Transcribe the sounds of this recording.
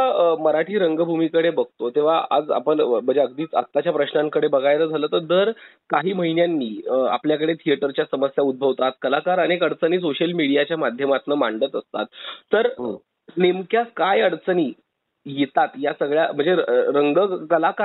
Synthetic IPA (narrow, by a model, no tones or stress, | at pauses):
aməɾaʈʰiːɾəŋɡbʱumiːkəɽebəɡ̚ʱt̪ot̪eʋ̤aa̰d͡za̰pəɳm̤əɳd͡zeəɡ̚d̪iːt͡sə̰kt̪ːat͡ɕjapɾəɕnãŋkəɽebəɡʱajɾəːd͡zʱalət̪əɾd̪əɾ | kaɦiːməɦinjanːiːa̰pljakəɽet̪ʰijəʈəɾt͡ɕjasəməsjaud̪̚bʱəʋt̪at̪̚kəlakaɾəñekəɽt͡səniːs̬oɕəlmiɽijat͡ɕjamad̪ʱjəmat̪nəmaɳɖət̪əst̪a̰t̪ːəɾ | nemkjakajəɽt͡səniː | jet̪at̪jasəɡɭjam̤əɳd͡zeɾəŋɡəkəlaka